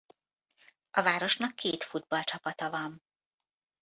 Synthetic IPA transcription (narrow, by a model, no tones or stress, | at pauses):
ɒvaːɾo̞ʃnɒkːeːt̪fud̪̚bɒlt͡ʃɒpɒt̪ɒvɒn